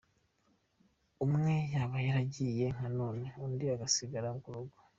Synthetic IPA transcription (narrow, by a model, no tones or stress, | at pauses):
umŋe̞jaβajaɾaɟije̞ŋ̥anoːneuːndiaɡasiɡaɾaŋɡuɾoɡo